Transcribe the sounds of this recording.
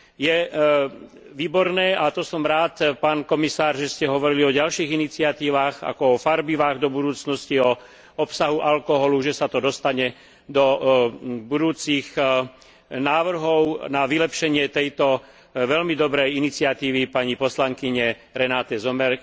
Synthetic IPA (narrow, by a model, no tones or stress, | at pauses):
jɛ | ʋiːbɔɾnɛːat̪ɔsɔmɾaːt̪paːnkɔmisaːɾʒɛscɛɦɔʋɔɾiliɔɟalʃiːɣinit͡sɪat̪iːʋaːɣa̰kɔɔfaɾbiʋaːɣd̪ɔbud̪uːt͡snɔsciɔ | ɔpsaɦuʔalkɔɦɔluʒɛsat̪ɔd̪ɔst̪aɲɛ | d̪ɔ | bud̪uːt͡siɣ | naːʋr̩ɦɔʊnaʋilɛpʃɛɲɪɛt̪ɛjt̪ɔ | ʋɛlmid̪ɔbɾɛjinit͡sɪat̪iːʋipaɲipɔslaŋkiɲɛ | ɾɛnaːt̪ɛzɔmɛɾ